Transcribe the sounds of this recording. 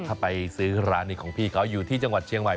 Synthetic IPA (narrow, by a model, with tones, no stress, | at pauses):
a˧˩pa˧jsɯː˦˥ɾaː˦˥ni˧˩kʰɔː˩˦ŋpʰiː˧˩kʰa˦˥wjuː˨˩t̪ʰiː˥˩t͡ɕa˧ŋwa˨˩t̪̚t͡ɕʰi˧əŋma˨˩